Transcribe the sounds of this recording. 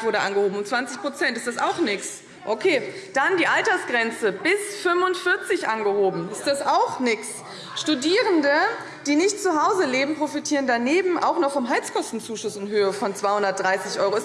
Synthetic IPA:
vʊɐɾəʔa̰nɡəhoːbm̩ʊnt͡sv̥ant͡sɪçpʁ̥ot͡sɛntɪstd̥asa̰ʊxnɪks | ʔokʰeː | d̥andiːʔaltɐsɡ̥ʁɛnt͡səbɪsfʏmvʊntfɪɐt͡sɪçʔanɡəhoːbm̩ɪstd̥asaʊxnɪks | ʃtudiːʁəndə | d̥iːnɪçtt͡suɦaʊzəleːbm̩pʁ̥ofitʰiːʁəndaneːbm̩ʔa̰ʊxnɔχfɔmɦalt͡skʰɔstn̩t͡suːʃʊsɪnɦøːəfɔnt͡sv̥aɪhʊndɐtd̥ʁaɪsɪçʔɔʏʁoɪs

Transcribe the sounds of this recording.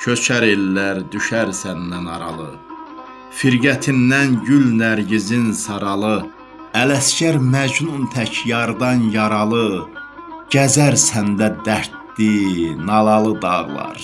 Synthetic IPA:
cʰøt͡ʃʰæɾelːæɾd̪yʃæɾsænd̪ænɑɾɑ̰lˠɯ̰ | fiɾɡæt̪ʰind̪ænɟylnæɾɟizinsɑɾɑlˠɯ | ælæscæɾmæd͡ʒnunt̪ʰæcjɑɾd̪ɑnjɑɾɑlˠɯ | ɟ̥æzæɾsænd̪æd̪æɾt̪ːinɑlˠɑlˠɯd̪ɑ̰ʁlˠɑ̰ɾ

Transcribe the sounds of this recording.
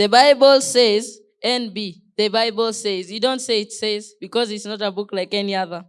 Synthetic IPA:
ðəbaɪbəlsez | ɛ̃nbi | ðəbaɪbəlsezjudõntseitsezbikɔzitsnɔtəbuklaɪkɛniaðə

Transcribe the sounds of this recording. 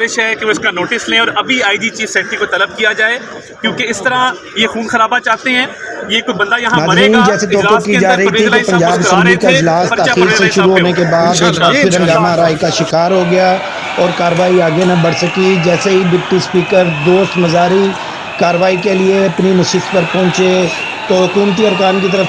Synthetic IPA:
ɪʃɦɛkeʋoɪskanoːʈɪslẽːɔːɾɐbʱiaːiɖiːt͡ʃiːfsɛːʈikot̪ɐləb̚kijad͡ʒaːe | kjõːkeɪst̪əɾã | jexuːnxəɾaːbat͡ʃaːɦt̪eɦɛ̃ːjekot͡ʃbɐ̃nd̪ajɐɦãnaːzɾiːnd͡ʒɛːsett̪ɔːkɪkid͡ʒaːɾəɦit̪ʰikepɐ̃ɲd͡ʒaːbɪsɛmlikaɪd͡ʒlaːst̪aːxiːɾseʃʊɾuɦoːnek̬ebaːd̪eːkaɪɾə̃ŋɡaːmaɾaːikaʃɪkaːɾɦoɡɪjaː | ɔːɾkaːɾəʋaːiaːɡenabɐɽsəkid͡ʒɛːseɦibɪʈːispiːkəɾd̪oːst̪mɐzaːɾi | kaːɾəʋaːikelieɐpnimɐsɪspəɾpɔ̃ːt͡ʃe | t̪oɦʊkuːmt̪̬iɐɾkaːnkit̪̬əɾəf

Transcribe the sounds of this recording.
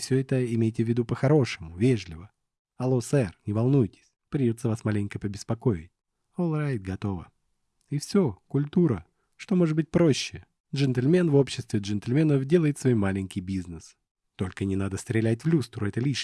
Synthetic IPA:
fsʲɵɛt̪əɪmʲejtʲɪvʲːɪd̪upəxɐɾo̞ʂɨmʊvʲeʐlʲɪvə | ɐlˠosɛrnʲɪvɐlˠnujtʲɪ̥sʲpɾʲɪdʲo̞t̪sːəvasmalʲɪnʲkəpəbʲɪspɐko̞ɪ̰tʲ | olˠɾajd̪ɡɐt̪o̞və̰ | ifsʲo̞kʊlʲt̪uɾə | ʂt̪o̞mo̞ʐɨd̪̚bɨt̚ʲpɾo̞ɕːɪ | dʐɛnt̪lʲmʲe̞nvo̞pɕːɪst̪vʲɪʐɛnt̪lʲmʲenəfdʲe̞lˠəjɪt̪svo̞jmalʲɪnʲkʲɪjbʲiznəs | t̪o̞lʲkənʲɪnad̪əst̪ɾʲɪlʲætʲvlʲust̪ɾʊɛt̪əlʲiʂ

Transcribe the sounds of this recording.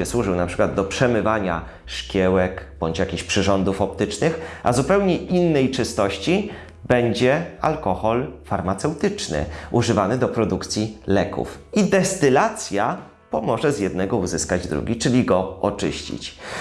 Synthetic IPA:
ɛswuʐɘwnapʂɘ̥kwad̪ːɔpʂɛmɘvaɲa̰ | ʂkʲjɛwɛkb̥ɔɲt͡ɕjakʲiɕpʂɘʐɔnd̪ufɔp̚t̪ɘt͡ʂnɘxʔa̰zupɛwɲɛʔinːɛjt͡ʂɘst̪ɔɕt͡ɕi | bɛɲd͡ʑɛa̰lkɔxɔlfaɾmat̪sɛwt̪ɘt͡ʂnɘ̰ʔuʐɘvanɘd̪ɔpɾɔd̪ukt̪sʲjilɛkṵfid̪ɛst̪ɘlat̪sʲja | pɔmɔʐɛzjɛd̪nɛɡɔuzɘskad͡ʑd̪ɾṵɡʲit͡ʂɘlʲiɡɔɔt͡ʂɘ̰ɕt͡ɕḭt͡ɕ

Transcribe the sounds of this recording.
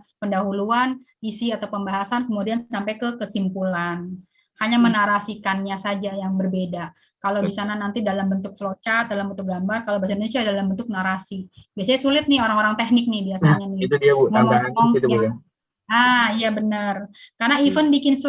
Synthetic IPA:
pəndaɦuluan | isiat̪awpəmbaɦasankəmudiansampajkəkəsimpulan | haɲamənaɾasikanɲasad͡ʒajaŋbərbeda | kalawdisananant̪idalambənt̪ʊk̚flot͡ʃat̪̚dalambənt̪ʊk̚ɡambarkalawbahsaindonesiadalambənt̪ʊk̚naɾasibiasaɲasulɪt̪̚nɪoɾaŋoɾaŋt̪ɛhnɪk̚nɪbiasaɲanɪt̪udiaməlɔɔŋt̪ua | aijabənərkarnaifənbikɪns

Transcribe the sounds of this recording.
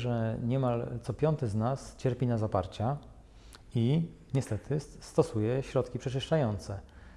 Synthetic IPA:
ʐɛɲɛmalt̪sɔpʲjɔnt̪ɛznast͡ɕɛɾpʲinazapa̰ɾt͡ɕa | i | ɲɛst̪ɛt̪ʰɘst̪ɔsujɛɕɾɔt̪kʲipʂɛt͡ʂɘʂt͡ʂajɔnt̪sɛ

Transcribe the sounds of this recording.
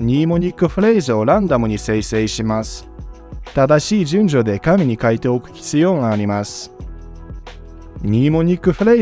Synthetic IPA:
ɲ̟iːmo̞ɲ̟ikːɯ̟ɸɯ̟ɾe̞izɨo̞ɾãnd̪amɯ̟ɲ̟ise̞ise̞ːɕimasɨ̥ | t̪ad̪aɕiːʑɨ̃ɲ̟d͡ʑo̞d̪e̞kamʲiɲ̟ikait̪e̞o̞kɯ̟̥çʲi̥t͡sɨjo̞ːŋaːɾʲimasɨ̥ | ɲiːmo̞ɲ̟ikːɯ̟ɸɯ̟ɾe̞

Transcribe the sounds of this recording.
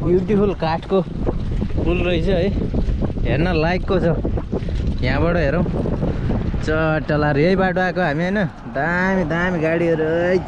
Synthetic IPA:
bjuʈipʰulkaʈʰko | pulrʌjt͡sʰʌʌj | ɦernʌlajkːot͡sʰʌ | jãbʌʈʌɦeɾʌw̃ | t͡sʌʈʌlaɾiʌjbaʈoakoɦamiɦʌjnʌ | d̪amid̪amiɡaɽiʌɾuʌj

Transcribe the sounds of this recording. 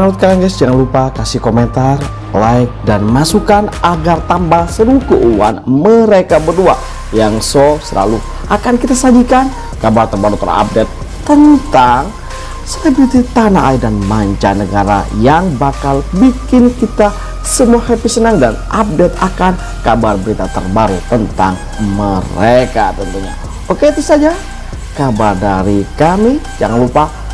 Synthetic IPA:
nalut̪̚kaɾaŋɡɛsd͡ʒaŋanlupakasɪhkoment̪ar | lajk̚danmasukanʔaɡart̪ambaŋsəɾukəʔuwa̰nməɾekabərdua̰ | jaŋsosəla̰lu | ʔakankit̪asad͡ʒikan | kabart̪əmbahlut̪əɾa̰a̰p̚dɛt̪ː | ənt̪aŋ | selebɾit̪it̪anaʔaidanmaɲt͡ʃanəɡaɾa̰jaŋbakalbikɪnkit̪a | səmuahepisənəŋdanʔap̚dɛt̪akan | kabarbəɾit̪at̪ə̰rbaɾut̪ənt̪aŋ | məɾekat̪ənt̪uɲa̰ | okeit̪usad͡ʒa | kabardaɾikamijaŋlupa

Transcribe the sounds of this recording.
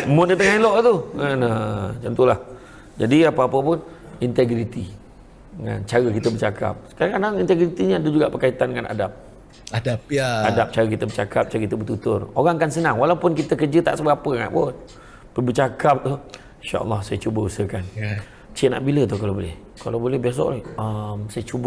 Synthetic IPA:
mʊt̪̚kət̪əŋailoʔt̪uənət͡ʃənt̪ulah | d͡ʒadiapəapəpʊn | int̪eɡɾit̪i | ŋa̰nt͡ʃaɣəkit̪əbət͡ʃakʰa̰p̚sə̥kaɾaŋkadaŋint̪eɡɾit̪iɲəadəd͡ʒuɡaʔpərkait̪andəŋana̰dap̚ | adapaadap̚t͡ʃaɣəkit̪əbət͡ʃakap̚t͡ʃaɾəkit̪əbət̪ut̪ʊroɾaŋkansənaŋwalawpʊnkit̪əkərd͡ʒət̪a̰ʔsəbapəŋa̰ʔbot̪̚ | pəbət͡ʃakap̚t̪u | inʃa̰ʔɑ̰lːɑhsajət͡ʃubəusəkan | t͡ʃɪʔna̰ʔbilət̪ʊhkalawbolɛ̰h | kalawbolɛhbias̬o̰ʔləmsajət͡ʃub

